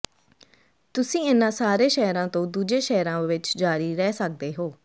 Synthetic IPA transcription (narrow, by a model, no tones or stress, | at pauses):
t̪ʊsĩːɪnãːsaːɾeːʃɛːɾãːt̪õːd̪uːd͡ʒeːʃɛːɾãːʋɪt͡ʃd͡ʒaːɾiːɾɛːsək̚d̪eːɦoː